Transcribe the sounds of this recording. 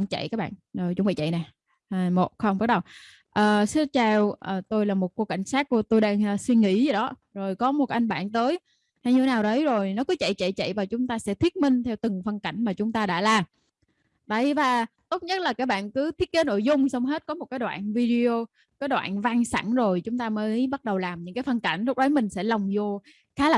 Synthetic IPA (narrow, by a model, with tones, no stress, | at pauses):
ŋ͡mt͡ɕə̰˧˨jkaː˦˥k̚ɓa̰ː˧˨nzo˨˩t͡ɕʊ̰˨˦ŋ͡mɓḭ˧˩t͡ɕə̰˧˨jnɛ˨˩ | ʔaː˨˩mo˨˩t̚xə˧wŋ͡mɓa˦˥ɗə˨˩w | ʔəː˨˩sɨ˦˥t̚t͡ɕɛ˧wʔəː˨˩t̪o˧jlaː˨˩mo˨˩t̚ko˧ka˧˩jŋ̟saː˦˥t̚ku˧˩ət̪o˧jɗaː˧ŋʔəː˨swi˧nŋḭ˧˥zə˨˩ɗɔ˨˦zo˨˩jkɔ˨˦mo˨˩t̚ʔa˧jŋɓa̰ː˧˨nt̪əː˨˦j | haː˧ɲi˨˩˨naː˨˩wɗə˨˦jzo˨˩jnɔ˨˦kɔ˨˦t͡ɕə̰˧˨jt͡ɕə̰˧˨jt͡ɕə̰˧˨jvaː˨˩t͡ɕʊ˨˦ŋ͡mt̪aː˧sɛ̰˧˥t̪ʰi˦˥ət̚mï˧ŋ̟t̪ʰɛ˧wt̪ɨ˨˩ŋfə˧nka˧˩jŋ̟maː˨˩t͡ɕʊ˨˦ŋ͡mt̪aː˧ɗa̰ː˧˥laː˨˩m | və̰˧˩jvaː˨˩t̪o˦˥t̚ɲə˦˥t̚laː˨˩kaː˦˥k̚ɓa̰ː˧˨nkɨ˨˦t̪ʰi˦˥ət̚ke˨˦no̰˧˨jzʊ˧ŋ͡msɔ˧wŋ͡mɦe˦˥t̚kɔ˨˦mo˨˩t̚kaː˨˦jɗwa̰ː˧˨nvi˧ɗi˧o˧ | kaː˨˦jɗwa̰ː˧˨nva˧ŋsa̰˧˩nzo˨˩jt͡ɕʊ˨˦ŋ͡mt̪aː˧məː˨˦jɓa˦˥t̚ɗə˨˩wlaː˨˩mɲɨ̰˧˥ŋkaː˨˦jfə˧nka˧˩jŋ̟lʊ˦˥k͡p̚ɗə˨˦jmï˨˩ŋ̟sɛ̰˧˥la˨˩wŋ͡mzo˧ | xaː˨˦la˨